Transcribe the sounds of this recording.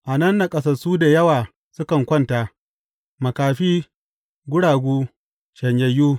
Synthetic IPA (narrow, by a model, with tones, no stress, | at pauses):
ʔa˨nɐ˦nːa˨kʼɐ˦s̬ɐ˨suː˦da˨jɐ˦waː˨ | sʊ˦kɐ˨ŋkʷɔ˦ntaː˨ʔ | mɐ˨kaː˨ɸiː˦ | ɡʷʊ˦ɽaː˨ɡʷuː˦ | ʃɐ˨ɲjɐ˨juː˦